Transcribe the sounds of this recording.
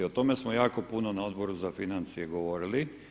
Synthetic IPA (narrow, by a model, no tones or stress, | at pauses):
ot̪o̞mesmojaːko̞punonao̞d̪bo̞ɾuzafinant̪sijeɡo̞ʋo̞ɾili